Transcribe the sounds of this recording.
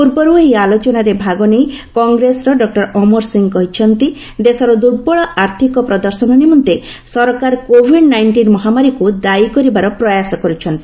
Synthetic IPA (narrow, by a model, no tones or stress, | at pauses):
puɾbɔɾueɦialot͡ʃɔnaɾebʱaɡɔnej | kɔŋɡɾesɾɔɖɔk̚ʈɔɾɔmɔɾsiŋɡkɔɦit͡ʃʰɔnt̪i | d̪esɔɾɔd̪uɾbɔɭɔʔaɾt̪ʰikɔpɾɔd̪ɔɾsɔnɔnimɔnt̪e | sɔɾɔkaɾkobʱiɖnajɳʈinmɔɦamaɾikud̪aikɔɾibaɾɔpɾɔjasɔkɔɾut͡ʃʰɔnt̪i